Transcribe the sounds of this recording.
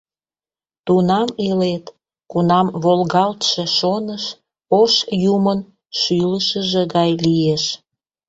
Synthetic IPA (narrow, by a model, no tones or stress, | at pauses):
t̪unɑmelet̪ | kunɑmβolɣɑlt̪ʃeʃonəʃ | oʃjumən | ʃyləʃəʒĕɣɑjlieʃ